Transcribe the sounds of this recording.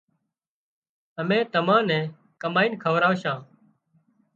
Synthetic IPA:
əmẽːt̪əmãːnɛ̃ː | kəmaːiːnkʰəʋɾaːʋʃãː

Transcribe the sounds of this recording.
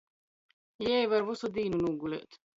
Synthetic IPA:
jeʋɐɾwusud̪iːnunuːɡulḛt̪

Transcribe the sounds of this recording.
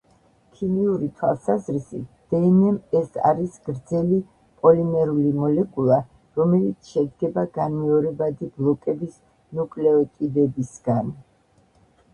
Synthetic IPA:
kʰimiuɾit̪ʰwa̰lˠsazɾisḭt̪̚ʰd̪̥ɛnɛmɛsa̰ɾisɡɾd̪zɛli | pʼɔlinɛɾulimɔlɛkʼulˠa | ɾɔmɛlit̪sʰʃɛd̪ɡɛbaɡanmɛɔɾɛbad̪iblˠɔkʼɛbis | nukʼlɛɔt̪ʼid̪ɛbisɡ̥an

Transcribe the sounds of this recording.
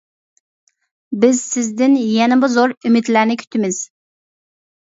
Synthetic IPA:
bɪzsɪzd̪ɪnjɛnɪbʊzoɾymɪd̪læɾnɪkʲʰy̥t̪ʰɪmɪz̥

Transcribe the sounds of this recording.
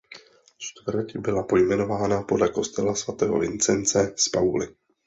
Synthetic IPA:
t͡ʃt̪vɾ̩cbɪlapo̞jmɛno̞vaːnapo̞dlɛko̞st̪ɛlasvat̪ɛːɦo̞̰vɪ̰nt͡sɛnt͡sɛspawlɪ̰

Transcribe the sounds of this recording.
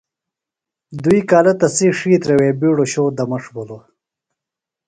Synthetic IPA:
d̪uikaːlɐt̪ɐsiʂiːt̪ɾeweːbiːɽoɕoːd̪ɐmɐʂbulo

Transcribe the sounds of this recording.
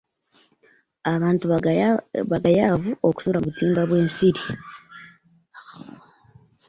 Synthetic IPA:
aβaːntu | βaɡajaːvuoku̥suɾaβutiːmbaβwe̞ːnsiɾi

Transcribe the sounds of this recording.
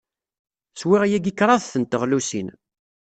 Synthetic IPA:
swiʁæjæɡikːɾˤɑðθənt̪əʁlusḭn

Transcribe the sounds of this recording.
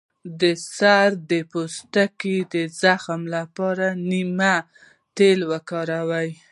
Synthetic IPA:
d̪əsaɾd̪əpost̪akid̪əzaxmlapɑɾanima | t̪elwəkɑɾawaj

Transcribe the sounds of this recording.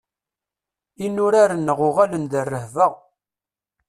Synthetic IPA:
inʊɾaɾənːəʁʊʁalənd̪ərːəhvəʁ

